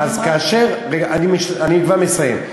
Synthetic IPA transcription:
azkaːʃeʁʁeaanimeʃaniɡvaʁmesajḛm

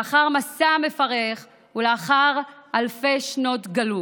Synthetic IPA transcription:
aχaʁmasame̞faʁeχ | uleaχaʁalfe̞ʃno̞tɡalu

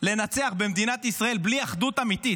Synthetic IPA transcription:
le̞nat͡se̞aχbemd̪inat̪isʁae̞lbliaχd̪ut̪amit̪i

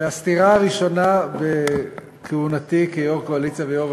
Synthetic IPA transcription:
east̪iʁaaʁiʃo̞nabe | kʰeunat̪ikejoʁkoalit͡savejoʁ

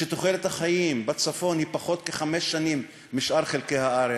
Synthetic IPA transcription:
ʃet̪oχelet̪haχajimbat͡safo̞nhipaχo̞t̪keχameʃːanimː | iʃʔaʁχelkejhaʔaɾe

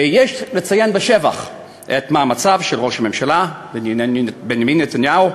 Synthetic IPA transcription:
jeʃlet͡sajenbeʃeva̰χ | ʔet̪mamat͡savʃelʁo̞ʃamemʃala | benbenjaminːet̪anjao

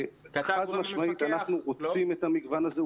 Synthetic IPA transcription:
χad̪maʃmait̪anaχnuʁot͡simet̪amiɡvanaze

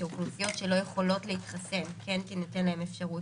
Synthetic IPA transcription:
uklufijo̞tʃe̞lo̞jeχo̞lo̞tleitχase̞mkenkinote̞nlae̞mefʃaʁut

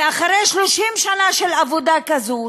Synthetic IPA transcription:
aχaʁejʃloʃimʃanaʃelavod̪akazu

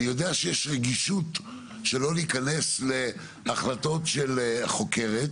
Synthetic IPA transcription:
nijo̞deaʃejeʃʁeɡiʃut | ʃe̞lo̞liikane̞sle̞ | aχlato̞tʃe̞lχo̞ke̞ʁet

